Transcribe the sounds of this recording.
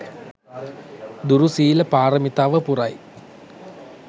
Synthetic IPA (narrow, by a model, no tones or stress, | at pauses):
d̪uɾusiːlɐpaːrɐmit̪aːʋəpurɐj